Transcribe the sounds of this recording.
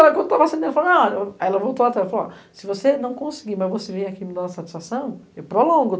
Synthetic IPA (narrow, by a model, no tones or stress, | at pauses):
alɐkɐ̃nd̪ʊt̪avasẽd̪ɛlɐfalnɐ̃ɛlɐvowt̪oat̪ɾalfala̰ | sɪvosenɐ̃w̃kõsi̥ɡimɐzvosevẽj̃akimĩd̪ɐ̃w̃ɐsat͡ʃi̥sfasɐ̃w̃ewpɾolõɡʊ